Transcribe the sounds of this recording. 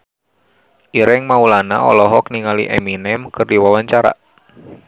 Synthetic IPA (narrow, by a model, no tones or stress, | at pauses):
ʔiɾɪŋmaulana̰ɔ̰lɔɦɔkniŋaliʔeminɛmkɨrdiwawaɲt͡ʃaɾa̰